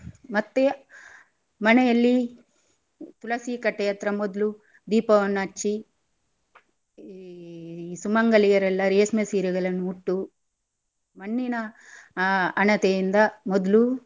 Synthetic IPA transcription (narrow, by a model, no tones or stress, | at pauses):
mɐt̪ːe | mɐnɛjɐlːi | t̪ulɐsiːkɐʈːɐjɐt̪ɾɐmɔd̪lu | d̪iːpɐʋɐnːɐt͡ʃːi | sumɐŋɡɐlijɐɾɛlːɐɾeːsmesiːɾɐɡɐɭɐnːuːʈːu | mɐɳːinɐ | nɐt̪ejind̪ɐmɔd̪lu